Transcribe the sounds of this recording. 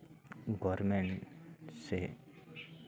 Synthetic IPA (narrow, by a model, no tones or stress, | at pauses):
ɡɔːɾmẽɳʈse